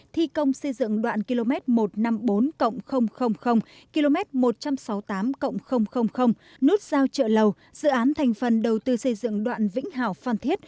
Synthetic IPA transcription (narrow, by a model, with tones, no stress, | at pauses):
t̪ʰi˧kə˧wŋ͡msə˧jzɨ̰˧˨ŋɗwa̰ː˧˨nki˧lo˧mɛ˦˥t̚mo˨˩t̚na˧mɓo˨˦nkə̰˧˨wŋ͡mxə˧wŋ͡mxə˧wŋ͡mxə˧wŋ͡m | ki˧lo˧mɛ˦˥t̚mo˨˩t̚t͡ɕa˧msaɔ˨˦wt̪aː˨˦mkə̰˧˨wŋ͡mxə˧wŋ͡mxə˧wŋ͡mxə˧wŋ͡m | nu˦˥ət̚z̥aː˧wt͡ɕə̰ː˧˨lə˨˩w | z̥ɨ̰˧˨ʔaː˨˦nt̪ʰa˨˩jŋ̟fə˨˩nɗə˨˩wt̪ɨ˧sə˧jzɨ̰˧˨ŋɗwa̰ː˧˨nvḭ˧˥ŋ̟ɦaː˧˩wfaː˧nt̪ʰi˦˥ət̚